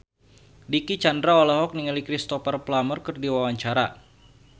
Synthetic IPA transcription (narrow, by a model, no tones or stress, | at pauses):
dikit͡ʃandɾaolaɦɔk̚niŋalikɾist̪ɔfarplamərkərdiwawaɲt͡ʃaɾa